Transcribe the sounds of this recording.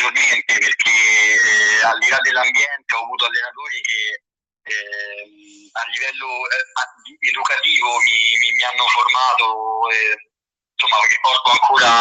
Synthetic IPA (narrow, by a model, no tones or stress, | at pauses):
onɛnt̪epeɾk̟ʰe | alːilad̪elːambjɛnt̪eɔːvuːt̪oalːenat̪oːɾik̟e | ɛ | alːivɛlːoɛaied̪ukat̪iːvomimimianːoformaːt̪oɛ | isomːarikɔɾd̪oaŋkʰoːɾa